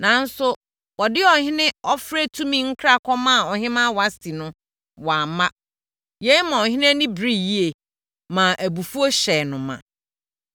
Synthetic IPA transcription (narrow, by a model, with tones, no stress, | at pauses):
nã˨n̩˦sʊ˦ | wɔ˨dɪ˦ɔ˨hɪ̃˦nɪ̃˦ɔ˦fɾæ˦tʰũ˦mĩ˦ŋ̩˦kʰɾa˦˨kʰɔ˦mã˦˨ɔ˨hɪ̃˦mã˦˨wa˦sti˨nʊ̃˦ | wa˨mã˦ | je˦mã˨ɔ˨ɦɪ̃˦ñ˦æ˦nĩ˦bɾi˦ji˦e˨ | mã˨ʔæ˨bu˨fu˦o˦ɕɛ˨nʊ̃˨mã̰˨